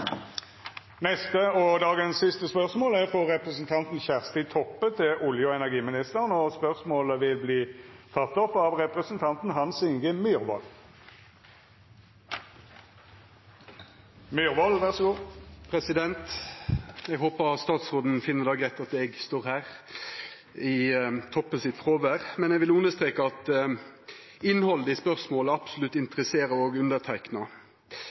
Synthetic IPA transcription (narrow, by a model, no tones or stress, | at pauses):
nɛst̪əɔd̪ɑːɡənsːɪst̪əspœʁsmoːlæʁfɔʁɛpʁɛsn̩t̪ʰɑnt̪n̩çæʁst̪ɪt̪ʰɔpːət̪ʰɪʔʊljʊɔɛnæʁɡiːmɪnɪst̪əʁnɔspœʁsmoːləʋɪlbliːt̪ʰɑt̪ːɔpɑʋʁɛpʁɛsnt̪ʰɑnt̪n̩ɦɑnsɪŋɡəmyːʁʋɔ̰l | myʁʋɔlʋæʁsɡoːpʰʁɛsɪd̪ɛnt̪ | ɛɡhoːpəst̪ɑːt̪sʁoːd̪n̩fɪnːəd̪ɑːɡʁɛt̪ːɑt̪ɛɡst̪oːʁhæːʁ | ɪt̪ʰɔpːəsɪt̪fʁoːʋəʁmɛnɛɡʋɪlʉnəst̪ʁeːkəɑt̪ | ɪnhɔləd̪ispœʁsmoːləɑpsʊlʉt̪ːɪnt̪əʁəseːɾəɾoːɡʉnd̪ət̪ʰæɪknɑ